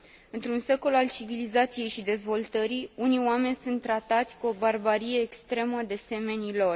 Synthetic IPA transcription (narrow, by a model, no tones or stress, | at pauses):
ɨnt̪ɾunse̞ko̞lalt͡ʃivilizat̪sije̞jʃid̪e̞zvo̞lt̪əɾiunioame̞nʲsunt̪ːɾat̪at̪sʲkuo̞barbaɾije̞ːkst̪ɾe̞məd̪e̞se̞me̞nilo̞r